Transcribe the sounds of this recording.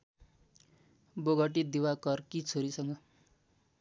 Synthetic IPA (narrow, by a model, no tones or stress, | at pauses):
boɡʌʈid̪iwakʌrkit͡sʰoɾisʌŋɡʌ